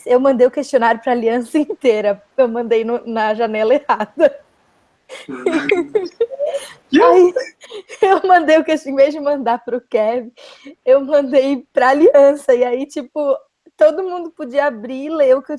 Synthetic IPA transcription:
ewmɐ̃nd̪ejʊkeʃt͡ʃionaɾjʊpɾɐːliɐ̃sɐẽnt̪eɾɐ | ewmɐ̃nd̪ejnʊnɐʒanɛlɐehad̪ɐ | ai | ewmɐ̃nd̪ejʊkeʃt͡ʃĩvejzd͡ʒɪmɐ̃nd̪aɾpɾʊkɛvɪ | ewmɐ̃nd̪ejpɾɐaliɐ̃sɐiait͡ʃipʊ | t̪od̪ʊmũnd̪ʊpod͡ʒiɐabɾileʊke

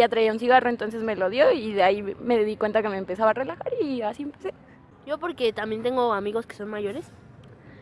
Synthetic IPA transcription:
at̪ɾaiunsiɣaro̞ent̪o̞ns̬e̞sme̞lo̞ðjo̞iðeaime̞ðikwe̞nt̪ake̞me̞ːmpe̞saβaːre̞laxaɾiasie̞mpese | ʝo̞poɾke̞t̪ambje̞nt̪e̞ŋɡo̞amiɣo̞ske̥so̞nmaʝo̞ɾes

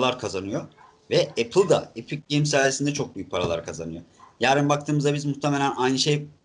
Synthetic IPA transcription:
lˠaɾkʰazanɯjo | vɛɛpʰɯlˠd̪a̰epʰic̚ɟejmsaːjesind̪ɛt͡ʃʰok̚byjyc̚ʲpʰaɾalˠa̰ɾkʰazanɯjo̞̰jaːɾimbakt̪ʰɯːmɯzd̪abizmuxt̪ʰemelʲænajnɯʃej

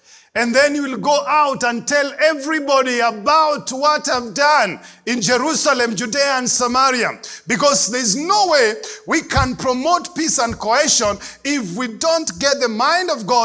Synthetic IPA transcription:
ɨ̃nðɛ̃njuwɪlˠɡoʊʔaʊtə̃ntʰɛlˠɛvɹibɔɾiəbaʊt̚wʌtavdʌ̃nɪ̃nd͡ʒɛɹusəlɨ̃md͡ʒudiə̃nsəmaɹia̰bɨkɔzðə˞znoʊweɪwikʰə̃npʰɹ̥əmoʊt̚pisə̃nkʰoɛʃə̃nɪfwidõʊ̃ntɡɛt̚ðəmãɪ̃ndʌvɡɔ

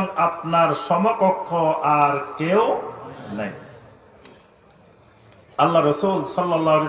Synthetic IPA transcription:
mapnaɾsɔmɔkɔkʰːɔʔaɾkewna̰j | alːaɾɔsulsɔlːɔlːaɦle

